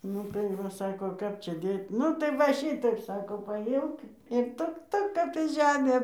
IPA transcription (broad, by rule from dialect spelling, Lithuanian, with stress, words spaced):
ˈnʊ tɐɪ ˈʋɐ ˈsɑːkoː ˈkɐp ˈt͡ʃʲɛ ˈdʲeːtʲ ˈnʊ tɐɪ ˈʋɐ ˈʃʲɪtɐɪp ˈsɑːkoː pɐˈjɪmk ɪr ˈtʊk ˈtʊk ˈkɐt tɐ ˈʒʲæːmʲeː